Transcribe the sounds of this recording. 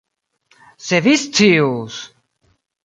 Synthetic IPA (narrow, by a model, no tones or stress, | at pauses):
sevist͡sius